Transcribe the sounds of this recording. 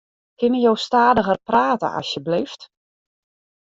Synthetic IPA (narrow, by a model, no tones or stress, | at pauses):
kɪnəjowstaːdəɣərpraːtə̰ʔɑ̰sjəblift